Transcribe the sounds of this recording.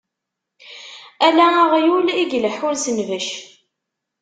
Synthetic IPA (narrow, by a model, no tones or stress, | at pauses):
ælæʁjuliɡləħʊɾsənvəʃ